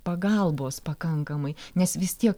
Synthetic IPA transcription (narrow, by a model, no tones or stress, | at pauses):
pɐɡɐlˠboːspɐkɐŋkɐmɐɪnʲɛsʋʲɪst̪ʲiɛk